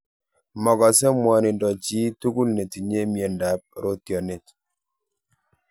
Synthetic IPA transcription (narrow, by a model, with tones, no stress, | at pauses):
mɔ˨ɡɔ˨sɛ˦mwɔ˨nɪ˨dɔ˨t͡ʃi˦tu˦ku˦lne˨ti˨ɲe˦mje˨nda˨p̚ɾo˦t̪jɔ˨ne˨t